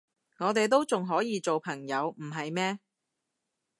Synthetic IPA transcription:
ŋɔː˨˧t̪e˨jt̪̬o˥wt͡sʊ˨ŋɦɔː˨˥jiː˨˧t͡so˨wpʰɐ˨˩ŋjɐ˨˧wm̩˨˩ɦɐ˨jmɛː˥

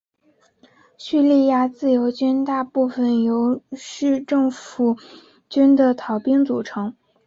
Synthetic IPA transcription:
ɕy˥˧li˥˧ja˥˧t͡sɹ̩˥˩jo˧˥ʊt͡ɕy˥nt̪a˥˧pu˥˩fə˩njo˧˥ʊʂɻ̩˥˧ʈ͡ʂɤ˥˩ŋfu˨˩ | t͡ɕy˥nd̪ə˨t̪ʰɑ˧˩˥ʊpi˥ŋt͡su˨˩ʈ͡ʂʰɤ˧˥ŋ

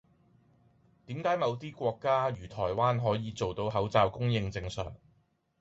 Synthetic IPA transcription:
t̪iː˨˥mkaː˨˥jmɐ˨˧wt̪iː˥kʷɔː˧kːaː˥jyː˨˩t̪ʰɔː˨˩jwaː˥nɦɔː˨˥jiː˨˧t͡so˨wt̪o˧wɦɐ˨˥wt͡saː˧wkʊ˥ŋjɪ˧ŋt͡sɪ˧ŋsœ̰ː˨˩ŋ

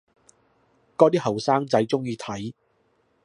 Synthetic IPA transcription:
kɔː˥t̪iː˥hɐ˨˩wsaː˥ŋt͡sɐ˨˥jt͡sʊ˥ŋjiː˨˧t̪ʰɐ˨˥j

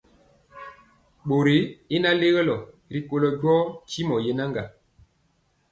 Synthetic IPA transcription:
ɓo˨ɾi˨˦i˦na˦le˦ɣə˦lɔ˨ | ɾi˨ko˨lɔ˨ɟɔ˦t͡ʃi˦mɔ˨je˦na˦ŋɡa˨

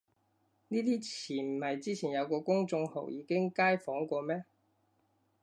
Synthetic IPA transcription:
niː˥t̪iː˥t͡sʰiː˨˩m̩˨˩hɐ˨jt͡siː˥t͡sʰiː˨˩njɐ˨˧wkɔː˧kʊ˥ŋt͡sʊ˧ŋho̰˨˩wjiː˨˧˥kɪ˥ŋkaː˥jfɔː˨˥ŋkʷɔː˧mɛː˥

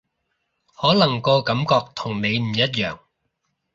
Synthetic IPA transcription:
hɔː˨˥lɐ˨˩ŋko˧wkɐ˨˥mkɔː˧k̚t̪ʰʊ˨˩ŋne˨˧jm̩˨˩jɐ˥t̚jœː˨˩ŋ

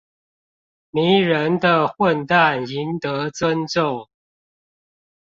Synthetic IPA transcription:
mi˨˦ɻə˨˦nd̪ə˨xwə˥˨nt̪a˥˨ni˨˦nt̪ə˨˧˦t͡swə˦nʈ͡ʂo˥˨ʊ

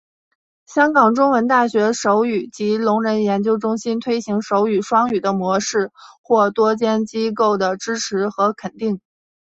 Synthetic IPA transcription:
ɕjɑ˥ŋkɑ˨˩ŋʈ͡ʂʊ˥ŋwə˧˥nt̪a˥˩ɕɥɛ˧˥ʂo˧˥ʊy˨˩t͡ɕi˧˥lʊ˧˥ŋɻə˧˥njɛ˧˥nt͡ɕjo˥ʊʈ͡ʂʊ˥ŋɕi˥nt̪ʰwe˥ɪɕi˧˥ŋʂo˧˥ʊy˨˩ʂwɑ˥ŋy˨˩d̪ə˦mwɔ˧˥ʂɻ̩˥˩xwɔ˥˩t̪wɔ˥t͡ɕjɛ˥nt͡ɕi˥ko˥˩ʊd̪ə˩ʈ͡ʂɻ̩˥ʈ͡ʂʰɻ̩˧˥xɤ˧˥kʰə˨˩nt̪i˥˩ŋ

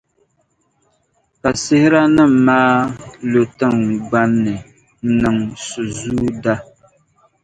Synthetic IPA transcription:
ka˨sɪ˦hɪ˦ɾa˦nɨ˦m̩˨maː˦lo˨tɨ˦ŋɡ͡ba˦nːɨ˨ | n̩˦nɨ˨ŋsu˨zuː˦da˦

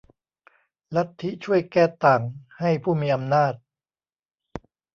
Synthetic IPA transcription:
la˦˥t̪ʰːi˦˥t͡ɕʰu˥˩əjkɛː˥˩t̪aː˨˩ŋha˥˩jpʰuː˥˩miː˧ʔa˧mnaː˥˩t̪̚

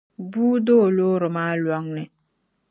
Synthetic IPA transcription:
buː˦do˦˨loː˦ɾɪ˨maː˦lɔ˦ŋnɪ˨

